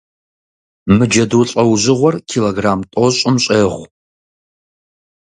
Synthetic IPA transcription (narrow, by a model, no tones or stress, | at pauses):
mɨd͡ʒɐduɬʼɐwʑɪʁʷɔrkʰiloɡraːmtʼoɕʼɪmɕʼeːʁʷ